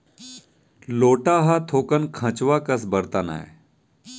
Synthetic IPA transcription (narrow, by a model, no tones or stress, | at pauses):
loːʈaːɦat̪ʰoːkənkʰɐ̃t͡ʃʋakɐs̬bɐɾt̪ana̰ːḛ